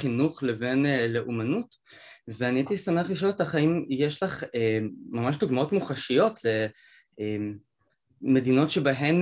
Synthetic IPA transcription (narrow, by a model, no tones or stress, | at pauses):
inuχleve̞nleʔumanut | veanitisameaχliʃ̬olet̪aχaimjeʃlaχeːamaʃ̬duɡmao̞tmuχaʃijo̞tle̞ | emː | e̞dino̞tʃebaɦem